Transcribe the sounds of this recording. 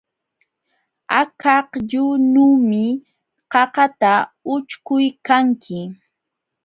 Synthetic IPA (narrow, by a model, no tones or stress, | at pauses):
akɑqʎʊnuːmɪ | qɑqɑt̪aʊt͡ʃkʊjkaŋkʰɪ